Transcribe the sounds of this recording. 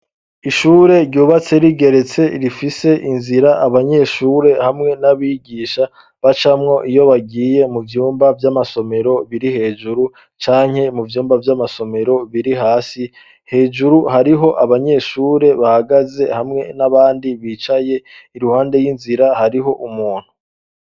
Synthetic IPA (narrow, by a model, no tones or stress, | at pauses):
iʃuːɾe̞ɾɟuːβat͡se̞ɾiɡe̞ɾe̞t͡se̞iɾifise̞ʔinziɾaʔaβaɲe̞ːʃuːɾe̞hamŋe̞naβiɡiːʃa | βat͡ʃamŋo̞ʔijo̞βaɡiːje̞muvjuːmbavjamaso̞me̞ɾo̞βiɾihe̞ːʒuɾu | t͡ʃaːɲ̥he̞muvjuːmbavjamaso̞me̞ɾo̞βiɾiɦaːsi | he̞ːʒuɾuhaɾiɦo̞ʔaβaɲe̞ːʃuːɾe̞βahaɡaze̞hamŋe̞naβaːndiβiːt͡ʃaje̞iɾuhaːnde̞jinziɾahaɾiɦo̞ʔumuːn̥hu